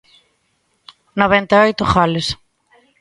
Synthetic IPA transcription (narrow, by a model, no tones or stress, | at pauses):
noβɛnt̪aojt̪ʊχalɪs